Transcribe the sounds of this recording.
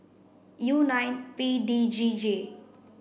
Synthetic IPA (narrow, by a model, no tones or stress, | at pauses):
junajnpiɖid͡ʒid͡ʒe